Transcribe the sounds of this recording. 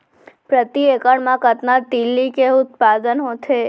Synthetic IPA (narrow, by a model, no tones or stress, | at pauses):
pɾət̪iekəɽmãkət̪nat̪ilːikeʊt̪̚pad̪ənɦot̪ʰe